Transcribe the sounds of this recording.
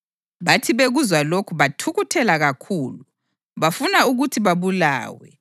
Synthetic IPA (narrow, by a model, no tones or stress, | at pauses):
βatʰiβeɣuzwalokʰuβatʰuɣutʰɛlaɣakʰuːlu | βafunauɣutʰiβaβula̰ːwɛ̰